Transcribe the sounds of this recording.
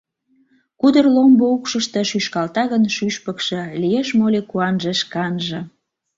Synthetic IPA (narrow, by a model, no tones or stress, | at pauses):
kud̪ərlomboukʃəʃt̪e̽ʃyʃkɑlt̪ɑɣənʃyʃpə̆kʃĕlijeʃmolʲekuɑnʒeʃkɑnʒə̆